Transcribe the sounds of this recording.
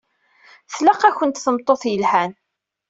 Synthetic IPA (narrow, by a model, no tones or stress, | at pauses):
θləqːæçənt̪θəmt̪ˤːoθjəlhæn